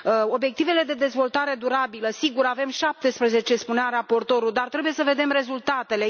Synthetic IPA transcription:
o̞bje̞k̚t̪ive̞le̞d̪e̞d̪e̞zvo̞lt̪aɾe̞d̪uɾabiləsiɡuɾave̞mʃap̚t̪e̞spɾeze̞t͡ʃe̞spunearapo̞rt̪o̞ɾud̪art̪ɾe̞buje̞səve̞d̪e̞mre̞zult̪at̪e̞le̞

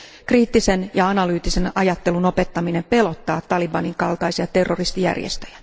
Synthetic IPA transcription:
kriːt̪ːisenjɑɑnɑlyːt̪ːise̞nɑjɑt̪ːe̞luno̞pe̞t̪ːɑminempe̞lo̞t̪ːɑːt̪ːɑlibɑniŋkɑlt̪ɑjsiɑt̪e̞rːorist̪ijæ̰rjḛst̪øjæ̥

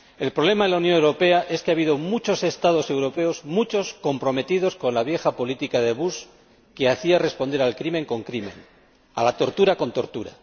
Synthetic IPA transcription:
e̞lpɾoβle̞maðelaunjõ̞ŋe̞wɾo̞pe̞aʔe̞skeaβiðo̞mut͡ʃo̞se̞st̪að̞o̞se̞wɾo̞pe̞o̞zmut͡ʃo̞sko̞mpɾo̞me̞t̪iðo̞sko̞nlaβ̞je̞xapo̞lit̪ikaðe̞βus | keaθiare̞spo̞nd̪e̞ɾalkɾimẽ̞ŋko̞ŋkɾimḛn | alat̪o̞ɾt̪uɾako̞nt̪o̞ɾt̪uɾa̰

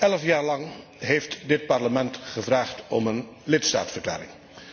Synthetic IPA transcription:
ʔɛləfjaːɹlɑŋɦejftdɪt̚pɑɹləmɛntχəvraːχtɔmənlɪtsta̰ːtsfərkla̰ːɾɪ̰ŋ

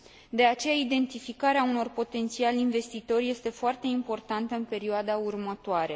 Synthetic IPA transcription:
d̪e̞at͡ʃe̞jaid̪e̞nt̪ifikaɾeauno̞rpo̞t̪e̞nt̪sialinve̞st̪it̪o̞rje̞st̪e̞foart̪e̞impo̞rt̪ant̪əɨnpe̞ɾioad̪aurmət̪oaɾe̞

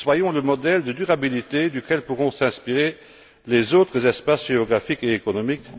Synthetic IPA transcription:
swajɔ̃ləmɔd̪ɛld̪əd̪yʁabilit̪ed̪ykʲɛlpuʁɔ̃sɛ̃spiʁe | lezoːt̪χəzɛspasʒ̥eɔɡʁafikeekɔnɔmik

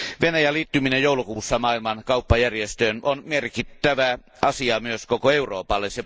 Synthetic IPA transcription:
ʋenæjæliːt̪ːyminejjoˑulukuːsːɑmɑːilmɑnkɑupːɑjærjest̪øːnonmerkit̪ːæʋæ | ʔɑsiɑmyøskokoeuro̰ːpɑlːese

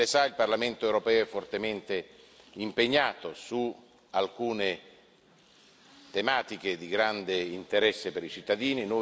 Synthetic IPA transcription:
esailparlament̪oewɾopɛːoɛfːort̪ement̪e | impeɲːaːt̪osu | alkuːne | t̪emaːt̪iked̪iɡɾand̪eint̪eɾɛsːepeɾit͡ʃit̪ːad̪iːnino

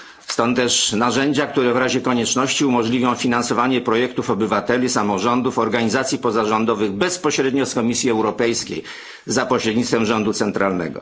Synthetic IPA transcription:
st̪ɔ̃nt̪ːɛʂnaʐɛɲd͡ʑakt̪uɾɛvɾaʑɛkɔɲɛt͡ʂnɔɕt͡ɕiumɔʐlʲivʲjɔ̃w̃fʲinansɔvaɲɛpɾɔjɛkt̪ufɔbɘvat̪ɛlʲisamɔʐɔnd̪ufɔɾɡaɲizat̪sʲjipɔzaʐɔnd̪ɔvɘɣbɛspɔɕɾɛd̪ɲɔskɔmʲisʲjiɛwɾɔpɛjskʲḛj | zapɔɕɾɛd̪ɲit̪fɛmʐɔnd̪ut̪sɛnt̪ɾalnɛ̰ɡɔ̰

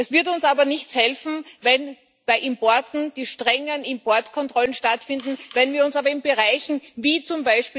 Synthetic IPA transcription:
ʔɛsv̥ɪɐtʊnsaːbɐnɪçt͡shɛlfn̩vɛn | b̥aɪʔɪmpɔɐtn̩d̥iːʃtʁ̥ɛŋənɪmpɔɐtkʰɔntʁ̥ɔlənʃtatfɪndn̩vɛnviːɐʊnsaːbɐɪnbəʁaɪçn̩viːt͡sʊmbaɪʃpiː

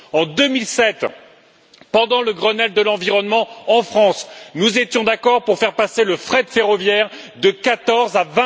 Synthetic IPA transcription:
ɑ̃d̪əmilsɛt̪ | pɑ̃d̪ɑ̃ləɡʁənɛld̪əlɑ̃viʁɔnmɑ̃ːfχɑ̃snuzet̪jɔ̃d̪akɔʁpuʁfɛʁpaseləfχɛd̪əfeʁɔvjɛʁd̪əkat̪ɔʁzavɛ̃

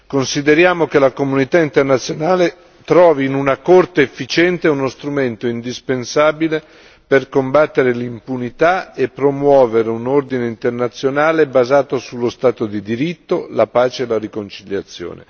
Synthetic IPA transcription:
konsid̪eɾjaːmokelakomunit̪aint̪ernat̪sːjonaːle | t̪ɾɔːviːnunakort̪eːfːit͡ʃɛnt̪eunost̪ɾument̪oind̪ispensaːbile | perkombat̪ːeɾelimpunit̪aepːɾomwɔːveɾeunord̪ineint̪ernat̪sːjonaːlebazaːt̪osulːost̪aːt̪od̪id̪iɾit̪ːolapaːt͡ʃeːlaɾikont͡ʃiʎːat̪sːjo̰ːnḛ

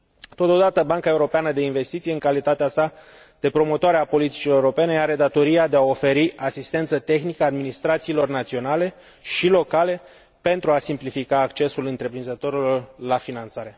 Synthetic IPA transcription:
t̪o̞t̪o̞d̪at̪əbaŋkae̞uɾo̞peanəd̪e̞inve̞st̪it̪sijeɨŋkalit̪at̪easa | d̪̥e̞pɾo̞mo̞t̪oaɾeapo̞lit̪i̥t͡ʃiloeuɾo̞pe̞ne̞aɾe̞d̪at̪o̞ɾiad̪e̞ao̞fe̞ɾiʔasist̪e̞nt̪sət̪e̞xnikəad̪minist̪ɾat̪siːlo̞rnat̪sio̞nale̞ | ʃilo̞kale̞ | pe̞nt̪ɾuasimplifikaːkt͡ʃe̞sulɨnt̪ɾe̞pɾinzət̪o̞ɾilo̞rlafinant̪saɾe̞

